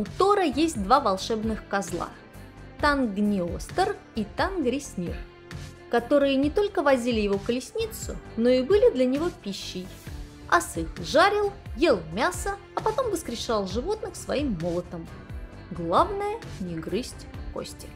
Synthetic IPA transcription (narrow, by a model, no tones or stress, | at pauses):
ʊt̪o̞ɾəjesʲt̚ʲd̪vavɐlˠʂɛbnɨxkɐzlˠa̰ | t̪anɡnʲɪost̪ərit̪anɡɾʲɪsʲnʲḭr | kɐt̪o̞ɾɨjənʲɪt̪o̞lʲkəvɐzʲilʲɪjɪvo̞kəlʲɪsʲnʲit̪sʊ̰no̞ɪbɨlʲɪd̪lʲənʲɪvo̞pʲiɕːɪj | ɐ̰sɨkʐaɾʲɪlˠje̞lˠmʲasə | ɐpɐt̪o̞mvəskɾʲɪʂalˠʐɨvo̞t̪nɨxsvɐimːolˠət̪əm | ɡlˠavnəjənʲɪɡɾɨsʲtʲko̰sʲtʲɪ̥